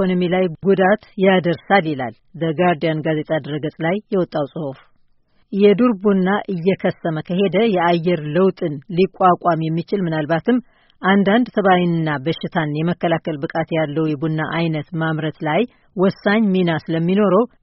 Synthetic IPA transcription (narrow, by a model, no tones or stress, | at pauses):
onomilajɡud̪at̪jad̪əɾsaljɪla̰l | bəɡaɾd̪ijanɡaze̞t̪ʼad̪ɾəɡəsʼlajːɛwɔt̪ʼːawsʼɨhof | jɛd̪uɾbunːaʔɨjːɛkʰəsːəməkʰəɦe̞d̪əjɛajːɛɾləwt̪ʼɨnlikʼːakʼamjɛmːit͡ʃɪlmɨnalbat̪ʰɨmː | ʔand̪and̪t̪ʰəβawinɨnːabəʃːɪt̪ʰanjɛməkːəlakəlbɨkʼat̪jalːəwjɛbunːaʔajnət̪mamɾət̪laj | wɔsːaɲminasɨləmːino̞ɾəw